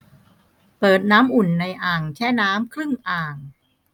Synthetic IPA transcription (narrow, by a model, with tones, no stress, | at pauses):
pɤː˨˩t̪̚naː˦˥mʔu˨˩nːa˧jʔaː˨˩ŋt͡ɕʰɛː˥˩naː˦˥mkʰɾɯ˥˩ŋʔaː˨˩ŋ